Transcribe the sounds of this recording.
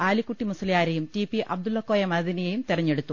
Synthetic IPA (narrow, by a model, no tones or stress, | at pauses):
aːlikːuʈːimusɐlijaːɾɐjumtipːiʔɐ̰b̚d̪ulːɐkːoːjɐmɐðinijejumt̪irɐɲːe̞ɽut̪ːu